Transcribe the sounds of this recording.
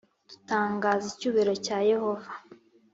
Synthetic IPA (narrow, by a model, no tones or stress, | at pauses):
d̥u̥taːŋɡaːzicuβeɾo̞caːje̞ho̞vḁ